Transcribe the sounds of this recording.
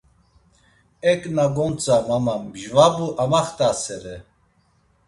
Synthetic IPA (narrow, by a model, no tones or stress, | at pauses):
ɛknaɡont͡sʼamamambʒvabuʔamaχt̪asɛɾɛ